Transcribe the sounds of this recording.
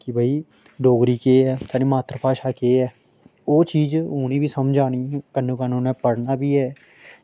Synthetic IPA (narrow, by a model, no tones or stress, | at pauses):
kɪbʱəiː | ɖoːɡɾiːkeːɛːt̪ʰaːɖiːmaːt̪ɾəpaːʃaːkeːɛː | oːt͡ʃiːd͡ʒoːñĩːbiːsəmd͡ʒaːɽ̃iːɛːkənũːkənũːnɛ̃ːpəɽnaːbiːɛː